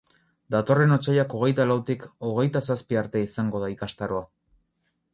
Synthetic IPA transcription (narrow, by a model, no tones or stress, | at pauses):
d̪at̪o̞re̞no̞t͡sajako̞ɣ̞e̞jt̪alawt̪iko̞ɣ̞e̞jt̪asaspiaɾt̪e̞isaŋɡo̞ð̞aikast̪aɾo̞a